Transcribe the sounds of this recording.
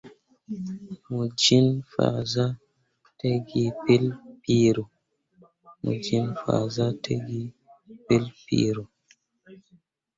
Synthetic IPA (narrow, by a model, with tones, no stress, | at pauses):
mu˨d͡ʒi˦nfa̰˨za˦ | te˦ɡi˨pe˦lpi˦ɾo˨ | mṵ˨d͡ʒi˦nfa̰˨za˦te˦ɡi˦ | pe˦lpḭ˦ɾo˨